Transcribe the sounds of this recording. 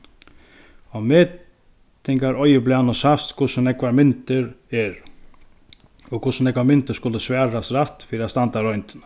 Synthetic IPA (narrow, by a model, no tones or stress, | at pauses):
ɔmeː | t̪ɪŋkaɾɔjɪplɪanɔsast̪kʰʊsʊnɛkvaɾmɪnt̪ɪɾɛɾ | ɔkʰʊsʊnɛkvamɪnt̪ɪɾ̥skʊlɪsʋɛːɾasɾaht̪fiːɾɪast̪ant̪aɾɔjnt̪ɪnḁ